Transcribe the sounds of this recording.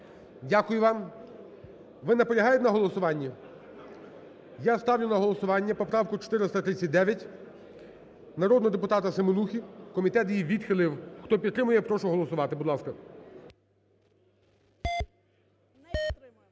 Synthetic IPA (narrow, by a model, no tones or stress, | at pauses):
dʲakʊjʊʋɑm | ʋɪnɐpɔlʲɐɦɑjʊt̪enɐɦɔlˠɔsʊʋɑnʲːɐ | jast̪ɑwlʲʊnɐɦɔlˠɔsʊʋɑnʲːɐpɔpɾɑwkʊt͡ʃɔ̥t̪ɪɾɪst̪ɐt̪ɾɪt͡sʲsʲːɐt̚ʲd̪ɛʋʲjɐtʲ | nɐɾɔd̪nɔɦɔd̪epʊt̪ɑt̪ɐsemonuxʲikɔmʲit̪ɛt̪jiʋʲid̪xɪlˠɪwxt̪ɔpʲid̪t̪ːɾɪmʊjɛpɾɔʃʊɦɔlˠɔsʊʋɑt̪ɪbʊd̪lˠɑskɐ